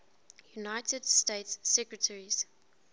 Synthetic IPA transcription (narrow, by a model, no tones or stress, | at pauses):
junaɪtʰədsteɪtsːɛkɹətʰəɹiz̥